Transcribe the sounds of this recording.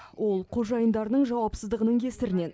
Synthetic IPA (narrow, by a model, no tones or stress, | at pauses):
wʔo̞lˠqʰo̞ʒɑjənd̪ɑɾnəɴʒɑwɑpsəzd̪əʁənəɴkʲʰe̞st̪ɪɾɪne̞n